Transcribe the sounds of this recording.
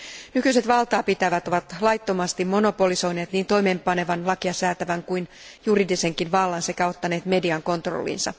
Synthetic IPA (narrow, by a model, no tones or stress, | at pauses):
nykyise̞t̪ʋɑlt̪ɑːpit̪æʋæt̪o̞ʋɑt̪lɑjt̪ːo̞mɑst̪imːo̞no̞po̞liso̞jne̞ːt̪niːnt̪o̞jme̞ːmpɑne̞ʋɑnlɑkiɑsæːt̪æʋæŋkuin | juriːdise̞ŋkinʋɑlːɑnsekæo̞t̪ːɑne̞ːt̪me̞diɑŋko̞nt̪ro̰lːḭːnsɑ̰